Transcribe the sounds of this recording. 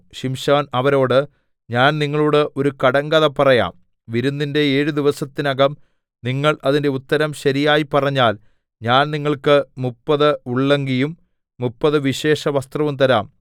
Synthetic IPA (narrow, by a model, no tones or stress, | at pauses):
ɕimɕaːnɐʋɐɾo̞ːɽɨ | ɲaːnniŋːɐɭuːɽɨʔo̞ɾukɐɽɐŋɡɐðɐpːɐrɐja̰ːm | ʋiɾunːinde̞eːɻud̪iʋɐsɐt̪ːinɐɡɐm | niŋːɐɭʔɐðinde̞ut̪ːɐɾɐmɕɐɾijaːjipːɐrɐɲːaːl | ɲaːnniŋːɐɭkɨmupːɐðɨuɭːeŋɡijumː | upːɐðɨʋiɕe̞ːʂɐʋɐst̪rɐʋumt̪ɐɾaːm